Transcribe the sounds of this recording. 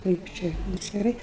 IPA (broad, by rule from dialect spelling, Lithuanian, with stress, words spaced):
ˈkɐɪp t͡ʃʲɛ ɐtʲsʲkʲɪˈrɐɪ